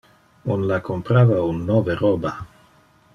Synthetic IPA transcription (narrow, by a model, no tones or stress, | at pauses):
unlakʰompɾavaunːoveɾoba